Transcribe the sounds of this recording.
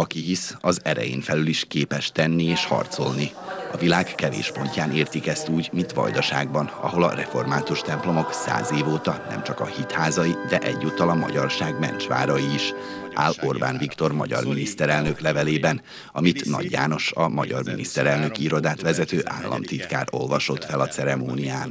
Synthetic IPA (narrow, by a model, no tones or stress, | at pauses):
ɒkiɦisɒzɛɾɛ̰jḛːnfɛlyliʃkeːpɛʃt̪ɛnːieːʃhɒ̰rt̪so̞lni | ɒvilaːkkɛvḛːʃpo̞ɲcaːneːrt̪ikɛst̪uːɟmint̪ʋɒ̰jd̪ɒʃaːɡbɒnɒ̰ɦo̞lɒrɛfo̞rmaːt̪uʃt̪ɛmplo̞mo̞ksa̰ːzeːvoːt̪ɒnɛ̰mt͡ʃɒkɒhit̪haːzɒjid̪ɛʔɛɟːoːt̪ɒlɒmɒ̰ɟɒrʃaːɡmɛ̰nt͡ʃʋa̰ːɾɒjiːʃʔa̰ːlo̞rba̰ːnvikt̪o̞rmɒɟɒ̰rminist̪ɛɾɛlnø̞klɛvɛleːbɛn | ɒmit̪nɒ̰ɟːa̰ːno̞ʃɒmɒɟɒrmḭnist̪ɛɾɛlnø̞kiɾo̞d̪aːt̪ʋɛzɛt̪øːʔaːlːɒ̰mt̪it̪ka̰ːɾo̞lvɒʃo̞t̪fɛlɒt̪sɛɾɛmoːnijaːn